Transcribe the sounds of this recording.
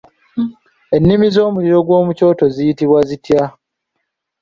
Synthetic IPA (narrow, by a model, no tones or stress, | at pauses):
e̞nːimizo̞ːmuliɾo̞ɡwo̞ːmuco̞ːto̞zijitiβwazitja